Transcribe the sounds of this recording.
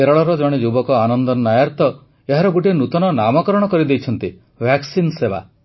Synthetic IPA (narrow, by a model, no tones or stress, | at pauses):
eɾɔɭɔɾɔd͡ʒɔɽ̃ed͡ʒubɔkɔanɔnd̪ɔnnajaɾt̪ɔ | eɦaɾɔɡuʈ̬enut̪ɔnɔnamɔkɔɾɔɽ̃ɔkɔɾid̪ejt͡ʃʰɔnt̪i | bʱjaksinseba̰